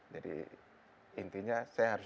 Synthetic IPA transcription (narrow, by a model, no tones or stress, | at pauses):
d͡ʒadḭ | int̪iɲasajaɦaɾʊ